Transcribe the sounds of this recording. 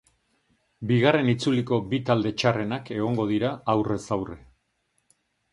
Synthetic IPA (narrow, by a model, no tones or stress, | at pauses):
biɣ̞are̞nit͡suliko̞bit̪ald̪e̞t͡ʃare̞nake̞ɣ̞o̞ŋɡo̞ðiɾaːwre̞sawre̞